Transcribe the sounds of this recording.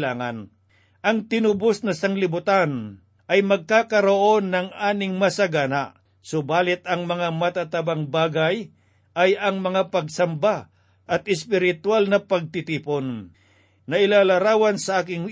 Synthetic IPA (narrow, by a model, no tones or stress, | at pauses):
laːŋɐ̰n | ʔɐŋt̪ɪnʊbosnɐsaŋlɪbʊt̪an | ʔɐjmɐɡ̚kaːkɐɾoʔo̞nːɐŋaːnɪŋmɐsaɡanaʔ | sʊbaːlɪt̪ɐŋmɐŋamɐt̪at̪ɐbaŋbaːɡaj | ʔɐjɐŋmɐŋapɐɡsɐmba | ʔɐt̪ɪspɪɾɪt̪walnɐpɐɡ̚t̪ɪt̪iːponː | ɐʔɪlaːlɐɾaːwɐnsɐʔaːkɪŋ